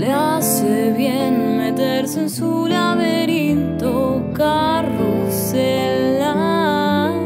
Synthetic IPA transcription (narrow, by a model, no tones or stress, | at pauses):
leaseβjenmet̪eɾseensulaβeɾint̪o | karo | se | la